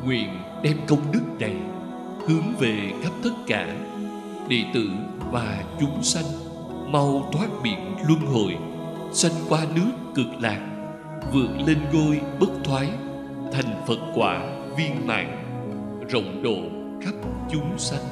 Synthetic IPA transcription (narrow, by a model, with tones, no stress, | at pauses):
ŋwḭ˧˨ən | ɗɛ˧mkə˧wŋ͡mɗɨ˦˥k̚na˨˩j | hɨ˨˦əŋve˨˩ka˦˥p̚t̪ə˦˥t̚ka̰ː˧˩ | ɗḛ˧˨t̪ɨ̰˧˨ | vaː˨˩t͡ɕʊ˨˦ŋ͡msa˧jŋ̟ | ma˧wt̪ʰwaː˦˥t̚ɓḭ˧˩˨ənlwə˧nɦo̰˧˨j | sa˧jŋ̟kwaː˧nɨ˦˥əkːɨ˨˩k̚laː˨˩k̚ | vɨ˨˩ək̚le˧nɣo˧jɓə˦˥t̚t̪ʰwaː˨˦j | t̪ʰa˨˩jŋ̟fə˨˩t̚kwaː˧˥ | vi˧ənma̰ː˧˨ŋ | zə̰˧˨wŋ͡mɗo̰˧˨ | xa˦˥p̚t͡ɕʊ˨˦ŋ͡msa˧jŋ̟